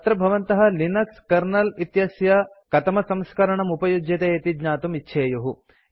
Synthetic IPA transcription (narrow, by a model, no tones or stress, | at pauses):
ɐt̪ɾɐbʱɐʋɐnt̪ɐɦɐ̆linɐkskɐɾnɐlit̪jɐsjɐ | kɐt̪ɐmɐsɐmskɐɾɐɳɐmupɐjud͡ʒjɐt̪eːt̪id͡ʒɲaːt̪umitːʃʰeːjuɦu